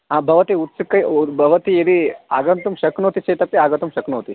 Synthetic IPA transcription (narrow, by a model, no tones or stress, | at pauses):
ɦãːbʱɐʋɐt̪iut̪sikːɐjbʱɐʋɐt̪iid̪ia̰ːɡɐnt̪umʃɐknoːt̪it͡ʃɐːt̪ɐpjɐaːɡɐt̪umʃɐknoːt̪i